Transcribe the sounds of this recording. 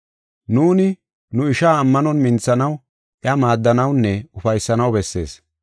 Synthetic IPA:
nuːnɪ | nʊɪʃaːmːɐnɔnmɪnt͡sːɐnɐw | ʔɪɐmaːd̪ːɐnɐwnːɛʊfɐjsːɐnɐwbɛsːe̞̰ːs

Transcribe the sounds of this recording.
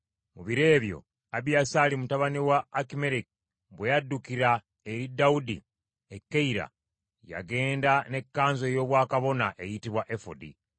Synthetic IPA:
muβiɾe̞ːβjo̞̰ | aβjasaːlimutaβaniwaːkime̞ɾiki | bwe̞jadːukiɾa | e̞ɾidaudḭ | ekːeiɾa̰ | ja̰ɡe̞ːndane̞kːaːnzo̞jo̞ːβwaːkaβo̞naʔe̞jitiβwaʔe̞fo̰dḭ

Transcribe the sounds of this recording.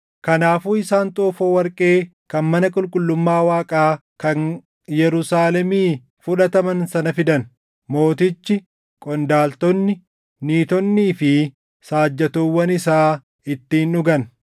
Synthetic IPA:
kɐnaːfuːɪsaːnt̪ʼoːfoːwɐɾkʼe̞ː | kɐnmɐnɐkʼʊlkʼʊlːʊmːaːwaːkʼaː | kɐn | jɛɾʊsaːlɛmiː | fʊᶑɐt̪ɐmɐnsɐnɐfɪd̪ɐn | mo̞ːt̪ɪt͡ʃːɪ | kʼɔnd̪aːlt̪ɔnːɪ | niːt̪ɔnːiːfɪ | saːd͡ʒːɐt̪oːwːɐnɪsaː | ɪt̪ːiːnʊɡɐn

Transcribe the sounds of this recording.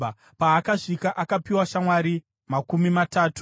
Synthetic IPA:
paːkaʂikaʔakapiwaʃamwaɾi | makumimataːtu̥

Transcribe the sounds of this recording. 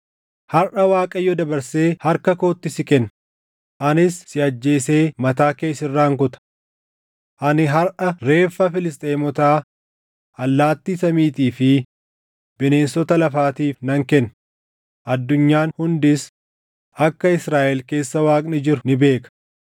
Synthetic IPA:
hɐɾʔɐwaːkʼɐjːɔd̪ɐbɐɾse̞ːhɐɾkɐko̞ːt̪ːɪsɪkɛnː | ʔɐnɪsːɪɐd͡ʒːe̞ːse̞ːmɐt̪aːke̞ːsɪrːaːŋkʊt̪ɐ̥ | ʔɐnɪɦɐɾʔɐɾe̞ːfːɐfɪlɪst̪ʼeːmɔt̪aː | ɐlːaːt̪ːiːsɐmiːt̪iːfɪ | bɪne̞ːnsɔt̪ɐlɐfaːt̪iːfnɐŋkɛnː | ʔɐd̪ːʊɲːaːnhʊnd̪ɪs | ɐkːɐɪsɾaːʔɛlke̞ːsːɐwaːkʼnɪd͡ʒɪɾʊnɪbe̞ːkɐ̥

